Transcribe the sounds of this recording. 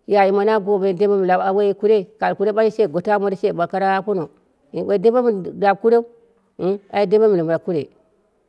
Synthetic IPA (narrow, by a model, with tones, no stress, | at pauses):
ja˨ji˨ma˨na˦ɡo˨be˨de˦ba˦m˨a˨a˨we˦ku˦ɾe˦ka˨lku˦ɾe˦a˦i˦se˦˨ɡo˨ta˦mo˦ɾi˦se˦˨ɓa˨ka˦ɾa˦a˦ku˦no˨ | i˨˦e˨˦de˦ba˦m˨da˨b̚ku˦ɾe˦u˦ | a˨ji˦de˦a˦mi˨le˨m˨la˨ku˦ɾḛ˨